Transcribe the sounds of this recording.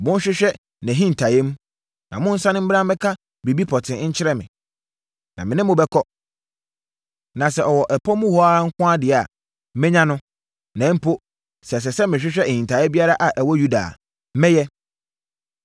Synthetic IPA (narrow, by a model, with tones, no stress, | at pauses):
mʊ̃˦ɕᶣɪ˦ɕᶣɛ˦ | nɛ̃˨ɦĩ˦n̩˨tʰa˨je˦m˦ | nã̰˨mʊ̃˦n̩˦sã˦nɪ̃˦m̩˦bã˦m˦ɛ˦kʰa˦ | bi˨bi˦pʰɔ˨tʰɪ̃˨˦ɲ̩˦t͡ɕʰɪ˦ɾɛ˦mɪ̰̃˨ | nã̰˨mɪ̃˨nɪ̃˦mʊ̃˨bɛ˦kʰɔ˦ | nã˨sɛ˨ʔɔ˨wɔ˨ʔɛ˨pʰɔ˦mʊ̃˦hɔ˦a˦ŋ̩˦kʰʊ̃˦a˦dɪ˨a˨˦ | mɪ̃˦ɲã˦nʊ̃˦ | nɛ̃˨˦m̩˦pʰo˦ | sɛ˨s̬ɛ˨sɛ˦mɪ̃˨ɕᶣɪ˦ɕᶣɛ˦˨hĩ˨ntʰa˨jɛ˦bi˦a˦ɾa˦ʔa˨ʔɛ˨wɔ˦ju˦da̰˨ | mɛ̃˦jɛ˦